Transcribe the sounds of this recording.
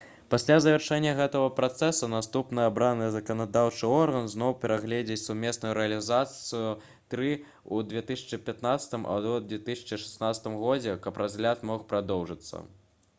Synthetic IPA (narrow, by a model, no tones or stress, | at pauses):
pasʲlʲazɐvʲɛrʂɛnʲːɐɣɛt̪ɐɣɐpɾat̪sɛsunast̪upnɨjabɾanɨzɐkɐnad̪awt͡ʂɨɔrɣɐnznɔwpʲɛɾaɣlʲed͡zʲet͡sʲsumʲeɛsnujuɾɛɐlʲizat̪sɨju | t̪ɾɨ | ud̪vʲɛt̪ɨsʲɐ̥t͡ʂɨpʲat̪nat̪sɐ̥t̪ɨmʔɐ̰wd̪d̪vʲɛt̪ɨsʲɐ̥t͡ʂɨʂɛ̥snat̪sɐ̥t̪ɨmɣɔd͡zʲɛkɐprʔazʲɣlʲat̪mɔxpɾad̪ɔwʐɨt̪sːɐ̰